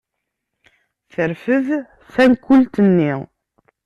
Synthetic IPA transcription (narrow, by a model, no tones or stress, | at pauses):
θəɾfəð | θænkːult̪ənːi